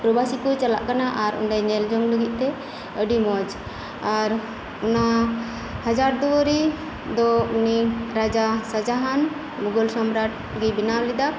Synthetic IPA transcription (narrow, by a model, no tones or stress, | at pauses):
pɾɔbʱasikɔt͡ʃala̰ʔkanaʔaɾṵɳɖajnɛld͡ʒɔŋləɡit̪̚ˀt̪ɛ | əɖimɔd͡ʒ | aɾ | una | had͡ʒaɾd̪uwəɾi | d̪ɔuniɾad͡ʒasad͡ʒaɦan | muɡɔlsɔmɾaʈ̚ | ɡɛbinawlid̪a